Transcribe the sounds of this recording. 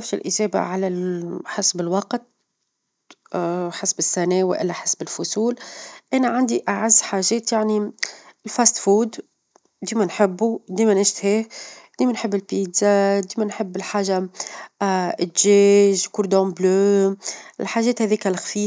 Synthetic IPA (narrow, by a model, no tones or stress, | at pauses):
æfʃɪ̰lʔɪʒɛːba̰ʕalælħasbɪlwɑqt̪̚ | ħasbɪsːænɛːwɪ̰ʔɪ̰lːæħasbɪlfʊsuːlʔænæʕand̪iʔaʕazːħaʒɛːt̪jaʕnilfæːst̪fuːd̪ | d̪iːmænħɪbːud̪iːmænɪʃt̪heːhd̪̥iːmænħəbːɪlpiːd̪zad̪iːmænħəbːɪlħaːʒa | ɪt̪ʒɛːʒkʊɾd̪õbløː | ɪlħaːʒɛːt̪hɛðiːkælxfiː